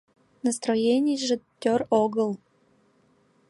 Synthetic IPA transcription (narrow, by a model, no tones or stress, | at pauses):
nəst̪ɾojenʲɪjʒɨtʲːoroɡəlˠ